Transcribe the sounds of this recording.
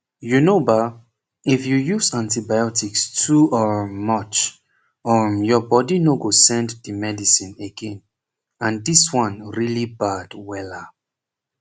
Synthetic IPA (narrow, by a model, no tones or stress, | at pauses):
junoba | ifjujuzãntibajɔtikstʰuɔmʌt͡ʃ | ɔjɔbɔdinoɡosɛ̃nddəmɛdisĩneɡɛ̃n | ãndiswʌ̃nɹilibad̥wɛla